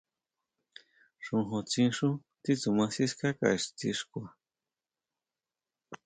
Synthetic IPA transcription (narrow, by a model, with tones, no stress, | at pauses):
ʂu˧ɦot͡sĩ˦nʂu˦ | t̪it͡su˨mã˧si˦skaka̰iʂt͡siʂkʷa˨